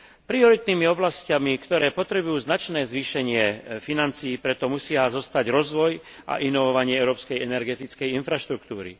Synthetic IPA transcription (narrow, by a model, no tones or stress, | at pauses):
pɾiɔɾit̪niːmiɔblascamikt̪ɔɾɛːpɔt̪ɾɛbujuːznat͡ʃnɛːzʋiːʃɛɲɪɛfinant͡siːpɾɛt̪ɔmusɪazɔst̪aɟɾɔzʋɔj | ʔa̰ʔinɔʋɔʋaɲɪɛɛʊɾɔːpskɛjɛnɛɾɡɛt̪it͡skɛjinfɾaʃt̪ɾukt̪uːɾḭ